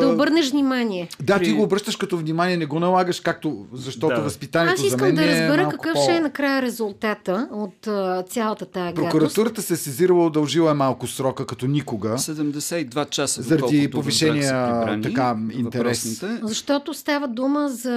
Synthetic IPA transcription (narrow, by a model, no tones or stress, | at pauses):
ɐobɤɾnɛʃvnʲimanʲiɛd̪at̪iɡoːbɾɤʃt̪əʃkɐt̪ɔvnʲimanʲiɛnɛɡɔnɐlˠaɡəʃkak̚t̪ozɐʃt̪ɔt̪ovɐspit̪anʲiɛast̪oiszɐmkəɛnd̪ɐɛɾəzbɛɾməkɐkɤfʃɛɛnɐkɾajəɾɛzulˠt̪at̪əot̪ːt̪sʲjalˠət̪ət̪ajɐɡpɾoakuɾɐst̪uɾət̪əsɛsɛziɾəlˠəod̪ɐlˠʒilˠəɛmalˠkʊsɾɔkəkɐt̪ɔnʲikoɡəsɛd̪ɛmd̪ɛsɛid̪vat͡ʃasəzɐɾɐd̪ipoviʃɛniiəat̪ɐkaḭnt̪ɛɾɛszɐʃt̪ɔt̪ost̪avəd̪uməzɐ